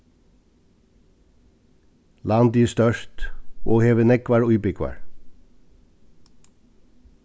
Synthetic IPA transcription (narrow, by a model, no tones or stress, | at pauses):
lɑːnd̪iːst̪œʃtoːheːʋənɛkʋæɹʊʏbɪkʋæ̰ːɹ